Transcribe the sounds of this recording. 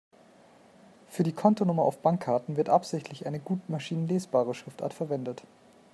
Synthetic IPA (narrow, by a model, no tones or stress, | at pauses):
fyːɐdiːkʰɔntonʊmɐʔa̰ʊfb̥aŋkʰːaɐtn̩vɪɐtʔapz̥ɪçtʰlɪçʔaɪnəɡuːtmaʃiːnənleːsb̥aːʁ̞əʃʁ̥ɪfta̰ːɐtfɛɐvɛndət